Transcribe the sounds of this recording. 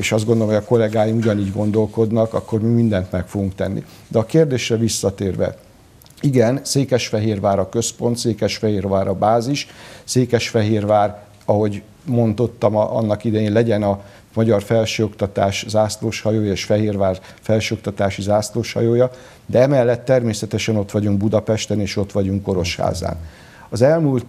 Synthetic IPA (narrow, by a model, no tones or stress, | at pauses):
eːʃɒzd̪ɡond̪olomɦojɒko̞lɛɡaːjimuɟɒniːɟɡo̞nd̪o̞lko̞d̪nɒkɒkːo̞rmimind̪ɛnt̪mɛkfo̞ɡuŋkt̪ɛnːʔḭ | d̪ɛɒkeːrd̪eːʃrɛvisːɒt̪eːrvɛ̰ | iɡɛnseːkɛʃfɛɦeːrvaːɾɒkø̞spo̞nt̪seːkɛʃfɛɦeːrvaːɾʔɒbaːziʃseːkɛʃfɛɦeːrvaːr | ɒɦo̞ɟ | mo̞nt̪o̞t̪ːɒmɒ̰nːɒkid̪ɛjeːnlɛɟɛnɒ | mɒɟɒrfɛlʃøːo̞kt̪ɒt̪aːʃzaːsloːʃhɒjoːjɒeːʃfɛɦeːrvaːr | fɛlʃøok̚t̪ɒt̪aːʃizaːsloːʃhɒ̰joːjɒ | d̪ɛɛmɛlːɛt̪ːɛrmeːsɛt̪ɛʃɛno̞t̪ʋɒɟuŋɡbud̪ɒpɛʃt̪ɛneːʃo̞t̪ʋɒɟuŋko̞ɾo̞ʃha̰ːza̰ːn | ɒzɛlmult̪